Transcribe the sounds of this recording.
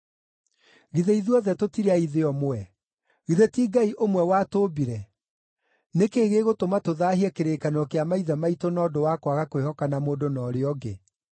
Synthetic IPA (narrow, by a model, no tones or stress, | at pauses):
ɣiðeiðuɔðɛtotiɾeaiðeɔmoɛ | ɣiðetiːɡaiʔomwɛwatoːbiɾɛ | nekeːɣeːɣotomatoðaːhiɛkeɾeːkanɔkeamaiðamaitonɔːdowakwaɣakwehɔkanamoːdonɔːɾeɔɡḛ